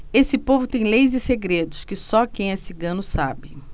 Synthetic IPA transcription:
esɪpovʊt̪ẽj̃lejzɪseɡɾed̪ʊskɪsɔkẽj̃ɛsiɡɐ̃nʊsa̰bɪ

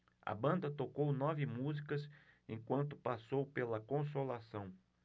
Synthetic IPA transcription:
ɐ̰bɐ̃nd̪ɐt̪okownɔvɪmuzikɐsẽj̃kwɐ̃nt̪ʊpasowpelɐkõs̬olasɐ̃w̃

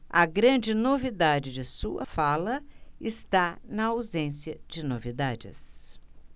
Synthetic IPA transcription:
ɐɡɾɐ̃d͡ʒɪnovid̪ad͡ʒɪd͡ʒɪsuɐ̰falɐɪst̪anɐawzẽsjɐd͡ʒɪnovid̪ad͡ʒɪ̰s

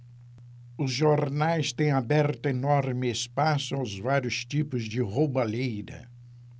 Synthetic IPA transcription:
ʊzʒoɾnajst̪ẽj̃abɛɾt̪ʊenɔɾmɪespasʊawzvaɾjʊst͡ʃipʊzd͡ʒɪʁobɐlejd̪ɐ̰

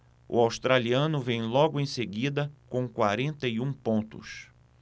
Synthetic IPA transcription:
ʊ̰awst̪ɾaliɐ̃nʊvẽj̃lɔɡʊẽj̃seɡid̪ɐkõw̃kwaɾẽnt̪ɐjũpõnt̪ʊ̰s

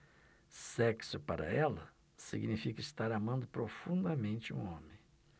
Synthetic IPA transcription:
sɛksʊpaɾɐ̰ɛlɐ | sḭɡnifikɐɪst̪aɾamɐ̃nd̪ʊpɾofũnd̪ɐmẽnt͡ʃɪṵ̃õmẽj̃

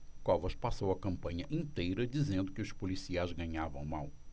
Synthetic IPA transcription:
kɔvɐʃpasowɐkɐ̃mpɐ̃ɲɐʔĩnt̪ejɾɐd͡ʒizẽnd̪ʊkɪʊspolisiajzɡɐ̃ɲavɐ̃w̃maw

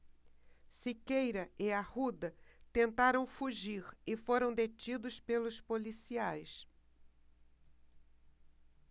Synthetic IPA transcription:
sikejɾɐɪahud̪ɐt̪ẽnt̪aɾɐ̃w̃fuʒiɾɪfoɾɐ̃w̃d̪et͡ʃid̪ʊspelʊspolisiajs

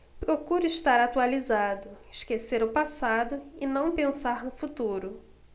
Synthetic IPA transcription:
pɾokuɾʊiʃt̪aɾat̪ualizad̪ʊɪʃkeseɾʊpasad̪ʊɪnɐ̃w̃pẽsaɾnʊfut̪uɾʊ

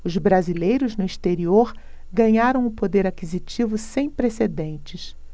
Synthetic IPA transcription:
ʊzbɾazilejɾʊznʊiʃt̪eɾioɾ | ɡɐ̃ɲaɾɐ̃w̃ʊpod̪eɾakizit͡ʃivʊsẽj̃pɾesed̪ẽnt͡ʃɪs

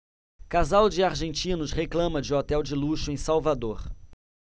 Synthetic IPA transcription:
kazawd͡ʒɪaɾʒẽnt͡ʃĩnʊsheklɐ̃mɐd͡ʒɪɔt̪ɛwd͡ʒɪluʃʊẽj̃sawvad̪oɾ

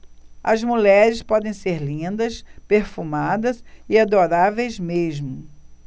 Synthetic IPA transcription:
ɐzmuʎɛɾɪspɔd̪ẽj̃seɾlĩnd̪ɐspeɾfumad̪ɐzɪad̪oɾavejzmeʒmʊ

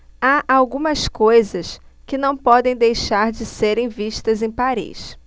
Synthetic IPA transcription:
aʔawɡũmɐskojzɐs | kɪnɐ̃w̃pɔd̪ẽj̃d̪ejʃaɾd͡ʒɪseɾẽj̃viʃt̪ɐzẽj̃paɾḭs

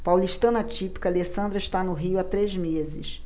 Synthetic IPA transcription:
pawliʃt̪ɐ̃nɐt͡ʃipi̥kɐalesɐ̃nd̪ɾɐɪʃt̪anʊɦiʊat̪ɾezmezɪʃ

